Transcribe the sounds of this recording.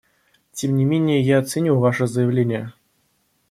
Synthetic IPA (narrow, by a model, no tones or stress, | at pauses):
tʲemnʲɪmʲenʲɪjəjaɐt̪sɨnʲuvaʂəzəjɪvlʲenʲɪjə